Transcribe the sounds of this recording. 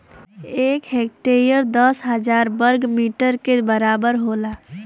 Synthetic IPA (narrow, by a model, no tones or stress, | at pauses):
ekɦek̚ʈeɾijəɾd̪əsɦəd͡ʒaɾbəɾɡmiʈəɾkebəɾabəɾɦola